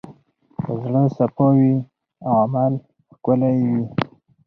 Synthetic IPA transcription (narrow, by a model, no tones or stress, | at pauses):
kəzɽəsapowi | awamal | xkʊlajwi